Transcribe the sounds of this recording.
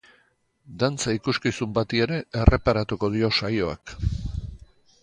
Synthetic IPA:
d̪ant͡saikuskisumbat̪ie̞ɾe̞e̞rʔe̞paɾat̪uko̞ð̞io̞sajo̞a̰k

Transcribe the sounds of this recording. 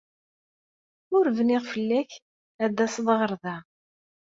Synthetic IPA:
ʊɾvniʁfəlːæç | æd̪æsðˤʁəɾˤðæ

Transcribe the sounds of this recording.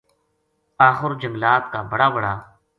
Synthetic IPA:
aːxʊɾd͡ʒəŋɡlaːt̪̚kaːbəɽaːbəɽaː

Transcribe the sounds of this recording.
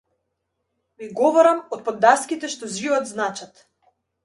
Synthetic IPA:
miɡɔvɔɾamɔt̪̚pɔd̪ːaskʲit̪ɛʃt̪ɔzivɔd̪znat͡ʃat̪

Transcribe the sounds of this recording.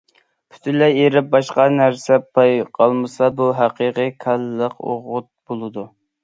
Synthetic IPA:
pʰy̥t̪ʰɪlɛeɾɪp̚bɑʃqɑnæɾsɛpʰɑjqʰɑlˠmɨsɑbuɦæqʰəqəkʲʰælːəqo̰ʁʊt̪̚b̥olˠɨd̪u

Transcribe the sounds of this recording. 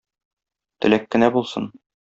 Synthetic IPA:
t̪ɘ̆lækːɘ̆næbulˠsɤ̰n

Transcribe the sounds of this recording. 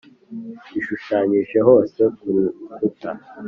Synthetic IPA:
iʃuʃaɲiːʃe̞ɦo̞ːse̞kuɾifuta

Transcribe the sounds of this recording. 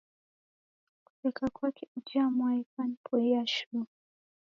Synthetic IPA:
ku̥tɛkakwakʰɛud͡ʒiamwaikanpʰɔiaʃu

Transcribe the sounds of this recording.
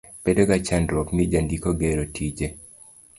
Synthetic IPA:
b̥edoɡat͡ʃanɾwɔknid͡ʒandikoɡeɾotʰid͡ʒe

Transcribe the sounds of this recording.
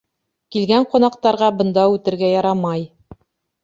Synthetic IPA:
kilɡæɴqŏnɑqt̪ɑɾʁɑbɤ̆nd̪ɑʉt̪ɘ̆ɾɡæjɑɾɑmɑj

